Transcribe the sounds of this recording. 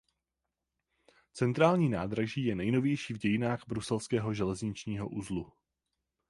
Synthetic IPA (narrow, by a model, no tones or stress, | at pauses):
t͡sɛnt̪ɾaːlɲiːnaːd̪ɾaʒiːjɛnɛjno̞vjɛjʃiːvɟɛjɪnaːɣbɾusɛlskɛːɦo̞ʒɛlɛzɲɪt͡ʃɲiːɦoʔuzlu